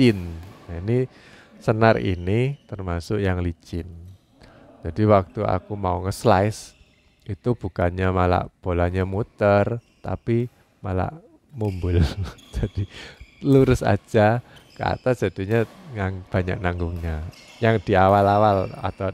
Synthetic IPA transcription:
t͡ʃɪnaini | sənarḭnit̪ərmasʊʔjaŋlit͡ʃɪn | d͡ʒ̥adiwak̚t̪ua̰kumauŋəslaɪs | it̪ub̥ṳkanɲamala̰ʔb̥o̤laɲamut̪ərt̪a̰pi | mala̰ʔ | mumbʊld͡ʒad̥iluɾʊsa̰̥d͡ʒ̥akəa̰t̪asdd͡ʒ̥a̤d̪̥i̤ɲaŋaŋb̥a̤ɲa̰ʔnaŋɡʊŋɲajaŋd̪̥i̤awalawala̰t̪a

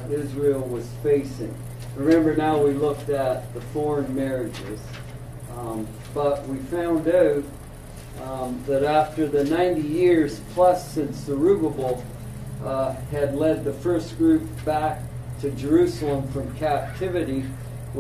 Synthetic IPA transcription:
ɪzɹil̩ˠwʌz̥feɪsɪ̰̃ŋ | ɹɨmɛ̃mbə˞naʊwilʊk̚tɨt̪̚ðəfɔɹɨ̃nmɛɹɪd͡ʒɪ̰z̥ | b̥ʌʔ̚wifãʊ̃ndoʊt̚ | ðɨɾæftə˞ðɨnãɪ̃ntijɪɹz̥pʰl̥ʌsɪ̃nsə˞ʉbəbl̩ˠ | ɨdˡlɛd̪̚ðɨfɜ˞sɡ̥ɹʉp̚b̥æk̚ | tʰɨd͡ʒə˞ʉsl̩ˠə̃ɱfɹʌ̃mkʰæp̚tʰɪvɨɾi

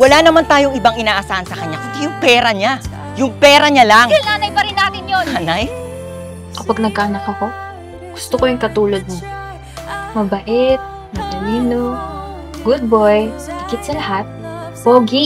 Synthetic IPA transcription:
wɐlaːnɐmant̪aːjoŋɪbaŋʔɪnaːʔɐsaːhɐnsɐkɐɲakɐt̪ɪjʊŋpɛːɾɐɲa | jʊŋpɛːɾɐɲalaŋnaːnɐjpɐɾɪnːaːt̪ɪnjoaːnaj | kɐpaɡ̚nɐɡ̚kaɐnɐkɐko̞ | ɡ̥ʊst̪okojʊŋkɐt̪uːlod̪̚mo | mɐbɐʔɛt̪̚ | mɐkɐliːno | ɡʊd̪̚bojhɪkɪt̪̚sɐlɐhat̪̚boːɡi

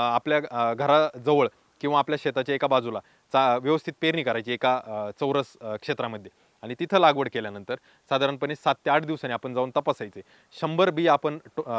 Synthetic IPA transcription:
apljaɡʱəɾad͡zəʋəɭ | kĩw̃ʋaːpljaɕet̪at͡ɕjaekabad͡zula | t͡saʋjəʋəst̪ʰit̪̚peɾniːkəɾajt͡ɕiːekat͡səwɾəskʂet̪ɾaməd̪ʱːje | aɽ̃it̪it̪ʰəlaɡʋəɽkeljanənt̪əɾ | sad̪ʱaɾəɳpənessat̪ːeaʈʰd̪iʋsaniapəɳd͡zaunt̪əpasajt͡se | ɕəmbəɾbiːapəɳʈ

